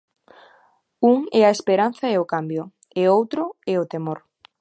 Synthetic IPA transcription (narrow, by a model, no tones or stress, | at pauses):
uŋɛaespeɾan̟θaɛʊkambjʊ | eowt̪ɾʊɛot̪emoɾ